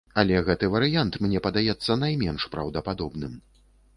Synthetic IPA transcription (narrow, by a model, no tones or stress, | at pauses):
ɐlʲɛɣɛt̪ɨvɐɾɨjant̪mnʲɛpɐd̪ajɛt̪sːɐnajmʲɛnʂpɾɐ̰wd̪ɐpad̪ɔbnɨm